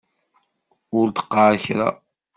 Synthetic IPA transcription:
ʊɾt̪ə̥qːaʕçɾa̰

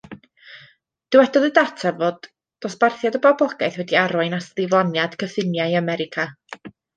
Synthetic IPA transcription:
d̥ɪwɛdɔðədatʰavoːd̥ | ɔsb̥arθjadəbabɔɡajθwɛdiaɾʊɨnasðɪvlˠɔnjad̥kʰəfɪnjajamɛɾɪkʰa

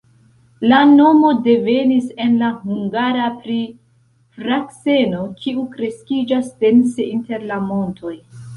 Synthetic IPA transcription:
lano̞mo̞de̞ve̞nise̞nlahuŋɡaɾapɾi | fɾakse̞no̞kʰiukɾe̞skid͡ʒasde̞nse̞inte̞ɾlamo̞ntʰo̞j

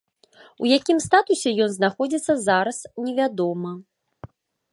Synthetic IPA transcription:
ujakʲimst̪at̪usʲɛjɔnznaxɔd͡zʲit̪sːɐzaɾɐsnʲɛvʲad̪ɔmɐ

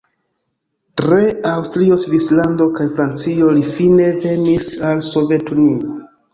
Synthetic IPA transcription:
tɾe̞awstɾio̞svislando̞kajfɾant͡sio̞lifine̞ve̞nisalso̞ve̞tunio

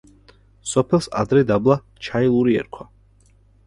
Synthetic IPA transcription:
sɔpʰɛlˠsa̰d̪ɾɛd̪ablˠa | t͡ʃʰailˠuɾiɛ̰ɾkʰwa

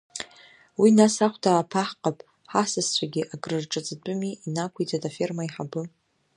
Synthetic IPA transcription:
winasaχʷtʰaːpʰaħqʼapʼ | ħasɨst͡ʃʷʰaɡʲiʔaɡʼrɨrʈ͡ʂʼat͡sʼdʼɨmiinakʷʰijt͡sʼatʼafermaiħabɨ

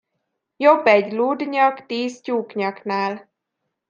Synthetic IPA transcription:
jobːɛɟluːd̪ɲɒkt̪iːscuːkɲɒknaːl

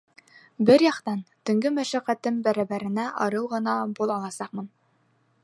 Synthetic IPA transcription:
bɘɾjɑqt̪ɑnt̪ɵ̆ŋɡɘmæʃæqæt̪ɘmbæɾæbæɾɘ̆næʔɒɾɤwʁɤ̆nɑbulˠɑlˠɑsɑqmɤn

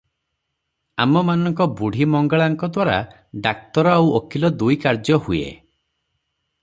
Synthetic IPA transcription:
a̰mɔmanɔŋkɔbuɽ̤imɔŋɡaɭaŋkɔd̪waɾa̰ | ɖak̚t̪ɔɾɔawokʰilɔd̪ujkaɾd͡ʒɔhuḛ

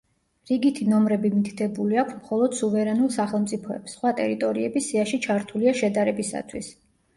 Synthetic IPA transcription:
ɾiɡit̪ʰinɔmɾɛbimit̪ʰi̥t̪ʰɛbuliakʷʰsmχɔlˠɔd̪̥suvɛɾɛnulˠsaχɛlˠmt̪sʼipʰɔɛ̰psːχwat̪ʼɛ̰ɾit̪ʼɔɾiɛbisiaʃit͡ʃʰaɾt̪ʰuliaʃɛd̪aɾɛbisa̰t̪ʰwis

